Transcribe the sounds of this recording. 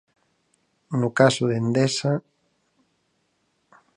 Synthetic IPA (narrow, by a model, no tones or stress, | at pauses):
nʊkasʊðend̪esa